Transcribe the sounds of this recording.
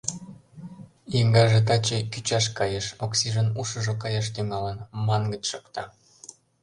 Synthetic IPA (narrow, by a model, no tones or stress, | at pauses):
iŋɡɑʒet̪ɑt͡ɕekyt͡ɕɑʃkɑjeʃoksiʒənuʃə̆ʒokɑjɑʃ̬t̪yŋɑlənmɑnɡət͡ɕʃokt̪ɑ